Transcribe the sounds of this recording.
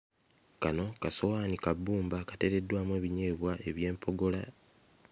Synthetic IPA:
kano̞kaso̞waːnikabːuːmbakate̞ɾe̞dːwaːmwe̞ːβiɲe̞ːβwaʔe̞βje̞ːmpʰo̞ɡo̞la

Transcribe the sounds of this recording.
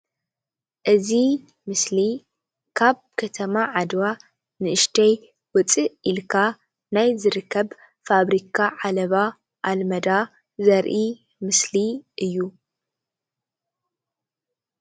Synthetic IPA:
ʔɨzi | mɨsli | kʰaβ | kʰɐt̪ʰɐmaʕad̪wa | nɨɨʃt̪ʰɐj | wɔt͡sʼiilkʰa | najzɨɾɨkʰːɐβ | faβɾikʰaʕalɐβa | ʔalmɐd̪a | zɐɾʔi | mɨsliʔɨjːu

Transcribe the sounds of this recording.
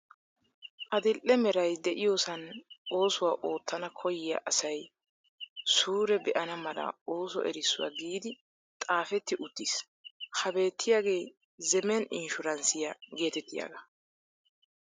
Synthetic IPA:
ʔɐd̪ɪlʔɛmɛɾɐjd̪ɛʔɪjoːsɐno̞ːsʊwaːʔo̞ːt̪ːɐnɐkʰɔjɪjɐ̰ʔɐsɐj | suːɾɛbɛʔɐnɐmɐlɐ̰oːsɔ̰ʔɛ̰ɾɪsːʊwa̰ɡiːd̪ɪ | t̪ʼaːfɛt̪ːɪʔʊt̪ːis | hɐbe̞ːt̪ʰːɪjaːɡe̞ː | zɛmɛnɪnʃʊɾɐnsɪjɐɡe̞ːt̪ɛt̪ːɪja̰ɡɐ

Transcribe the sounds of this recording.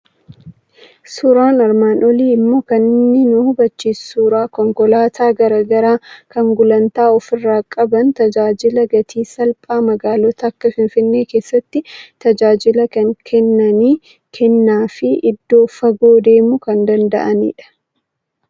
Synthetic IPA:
suːɾaːnɐɾmaːnʔɔliːɪmːo̞ːkɐnɪnːɪnʊhʊbɐt͡ʃːiːsuːɾaːkɔŋkɔlaːt̪ʰaːɡɐɾɐɡɐɾaːkɐŋɡʊlɐnt̪aːɔfɪrːaːkʼɐbɐnt̪ɐd͡ʒaːd͡ʒɪlɐɡɐt̪ʰiːsɐlpʼaːmɐɡaːlɔt̪ɐːkːɐfɪnfɪnːe̞ːke̞ːsːɐt̪ːɪt̪ɐd͡ʒaːd͡ʒɪlɐkɐŋkʰɛnːɐniː | kʰɛnːaːfɪʔɪd̪ːo̞ːfɐɡo̞ːd̪eːmʊkɐnd̪ɐnd̪ɐ̰ʔɐnḭːᶑɐ̥

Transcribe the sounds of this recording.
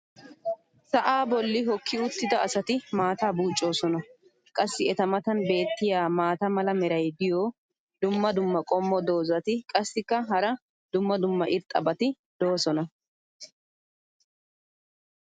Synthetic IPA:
sɐʔaːbɔlːɪɦɔkʰːɪʊt̪ːɪd̪ɐːsɐt̪ɪmaːt̪aːbuːt͡ʃʼːo̞ːsɔnɐ | kʼɐsːɪɛt̪ɐmɐt̪ɐnbe̞ːt̪ːɪjaːmaːt̪ɐmɐlɐmɛɾɐjd̪ɪjoː | d̪ʊmːɐd̪ʊmːɐkʼɔmːɔd̪o̞ːzɐt̪ɪkʼɐsːɪkːɐɦɐɾɐ | d̪̥ʊmːɐd̪ʊmːɐʔɪɾt̪ʼːɐ̰bɐt̪ɪ | d̪̥o̞ːsɔnɐ

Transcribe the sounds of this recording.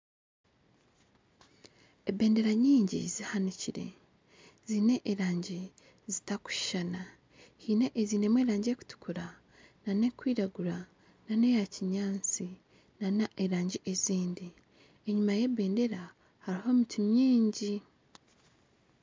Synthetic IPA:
ebe̞ːnde̞ɾaɲiːɲɟḭzihaniciɾe̞̰ | ziːne̞ʔːɾaːɲɟi | zitaku̥ʃana | hiːne̞ʔeziːne̞mwe̞ːɾaːɲɟeku̥tu̥kuɾa | nane̞kwiːɾaɡuɾa | nane̞jaciɲaːnt͡si | nanaʔeɾaːɲɟiʔeziːndi | eɲumaje̞be̞ːnde̞ɾa | haɾiɦo̞mitʰuɲiːɲɟi

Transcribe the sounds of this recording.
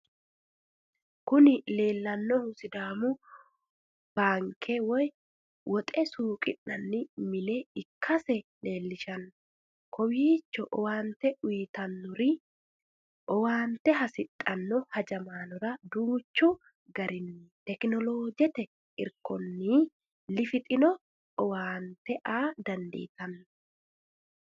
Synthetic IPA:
kʊnɪle̞ːlːɐnːɔhʊsɪd̪aːmʊ | b̥aːŋkʰːɛwɔj | wʔɔt̪ʼɛsuːkʼɪnːɐnːɪmɪleɪkʰːɐsɛle̞ːlːɪʃɐn | kʰɔwiːt͡ʃːɔʔɔwaːnt̪ɛʔʊjt̪ɐnːʊɾɪ | ʔɔwaːnt̪ɛɦɐsɪt̪ʼːɐnːɔhɐd͡ʒɐmaːnɔɾɐd̪uːt͡ʃːu | ɡɐɾɪnːɪt̪ɛknɔloːd͡ʒɛt̪ɛ | ɪ̰ɾkɔnːi | lɪfɪt̪ʼɪnɔ | ɔwaːnt̪ɛʔaːd̪ɐnd̪ḛːt̪ɐnː

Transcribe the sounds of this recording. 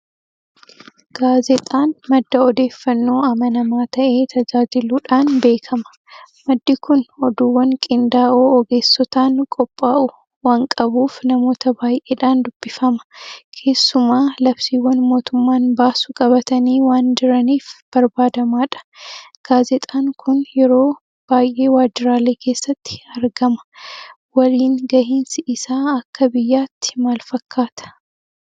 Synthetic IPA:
ɡ̥aːzɛt̪ʼaːnmɐd̪ːɐɔd̪e̞ːfːɐnːo̞ːɐmɐnɐmaːt̪ɐʔe̞ːt̪ʰɐd͡ʒaːd͡ʒɪluːᶑaːnbe̞ːkʰɐmɐ̥ | mɐd̪ːɪkʊnɔd̪uːwːɐŋkʼɪnd̪aːoːɔɡe̞ːsːɔt̪aːnkʼɔpʼːaːʔʊ | waːŋkʼɐbuːfnɐmo̞ːt̪ɐbaːjʔeːᶑaːnd̪ʊb̥ːɪfɐmɐ̥kʰe̞ːsːʊmaːlɐbsiːwːɐnmo̞ːt̪ʊmːaːnbaːsʊkʼɐbɐt̪ɐniːwaːnd͡ʒɪɾɐniːfb̥ɐɾbaːd̪ɐmaːᶑɐ̥ɡ̥aːzɛt̪ʼaːŋkʰʊnjɛɾo̞ː | b̥aːjʔe̞ːwaːd͡ʒɪɾaːle̞ːkʰe̞ːsːɐt̪ːɪ̥ɐɾɡɐmɐ̥ | wɐliːŋɡɐɦiːnsɪɪsaːɐkːɐbɪjːaːt̪ːɪ̥maːlfɐkʰːaːt̪ɐ̥

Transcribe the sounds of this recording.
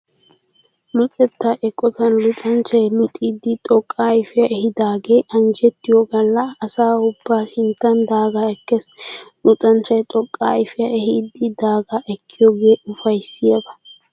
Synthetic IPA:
mʊt͡sʼɛt̪ːaʔɛkʼːɔt̪ɐnlʊt̪ʼɐnt͡ʃːɐjlʊt̪ʼiːd̪ɪt̪ʼɔkʼːaːɪfɪjɐʔɛhɪd̪aːɡe̞ːʔɐnd͡ʒɛt̪ːɪjɔɡɐlːɐːsaːʊbːaːʃɪnt̪ːɐnd̪aːɡaːɛkːɛslʊtʼɐnt͡ʃːɐjt̪ʼɔkʼːaːɪfɪjɐʔɛɦiːd̪ːɪd̪aːɡaʔɛkʰːɪjɔɡe̞ːʊfɐjsːɪjabɐ̥

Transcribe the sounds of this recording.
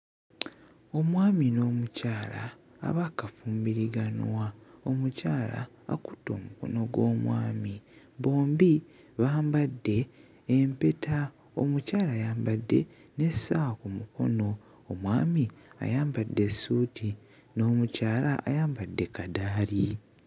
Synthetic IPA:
o̞mwaːmino̞ːmucaːla̰ː | βakafuːmbiɾiɡanwao̞mucaːla̰ː | ku̥tːo̞̰ːmuko̞̰no̞ɡwo̞̰ːmwa̰ːmi | bo̞ːmbi | βaːmbadːe̞ː | mpe̞tʰa | o̰mucaːlaːjaːmbadːe̞̰ | ne̞sakumukʰo̞̰no̞ː | mwa̰ːmia̰jaːmbadːe̞suti | no̞ːmucaːlaajaːmbadːe̞kadaːli

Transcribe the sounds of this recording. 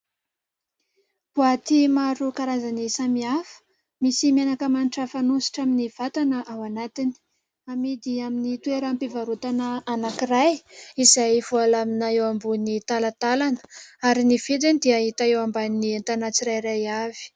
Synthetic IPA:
puat̪imaɾukaɾazanisamiafə̥ | misimenakəmaniʈ͡ʂəfanusi̥ʈ͡ʂaminiv̥at̪anəʔawanat̪ini̥ | amid̪iaminit̪weɾampevaɾut̪anəanakirajizajvualaminaewambunit̪alat̪alanə̥aɾinifed̪enid̪iaɦit̪aewambaninient̪anat͡siɾajɾajavi̥

